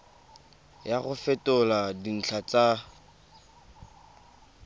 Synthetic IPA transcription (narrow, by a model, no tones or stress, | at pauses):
jaɣʊfɛtʼʊladin̩t͡ɬʰat͡sa